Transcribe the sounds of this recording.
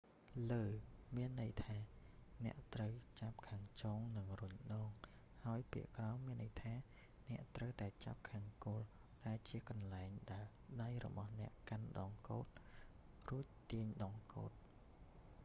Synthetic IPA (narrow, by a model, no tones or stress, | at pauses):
ləːmiənːɨjt̪ʰaːnɛ̆əʔt̪rəwt͡ɕap̚kʰaːŋt͡ɕɔːŋnɨŋrʊɲɗɑːŋ | haəjpiəʔkrɑɔmiənːəjt̪ʰaː | nɛ̆əʔt̪rəwt̪aɛt͡ɕa̰p̚kʰaːŋkoːl | ɗaɛlt͡ɕiəkɑnlaɛŋɗaɛl | ɗajrɔ̰ɓɑhnɛ̆əʔkanɗɑːŋkoːt̪̚ | ruəc̚t̪iəɲɗɑːŋko̰ːt̪̚